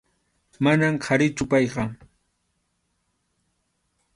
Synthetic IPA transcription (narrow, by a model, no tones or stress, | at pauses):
manamkʰaɾɪt͡ʃʊpɑjɢɑ